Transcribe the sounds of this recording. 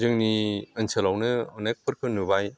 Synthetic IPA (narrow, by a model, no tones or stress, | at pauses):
zɯŋniənsʰɐlawnɯɔnek̚pʰɯɾkʰɯnubaj